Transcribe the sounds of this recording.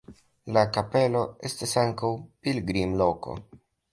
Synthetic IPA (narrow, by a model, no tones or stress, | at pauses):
lakape̞lo̞e̞stasaŋkawpilɡɾimlo̞ko̞̰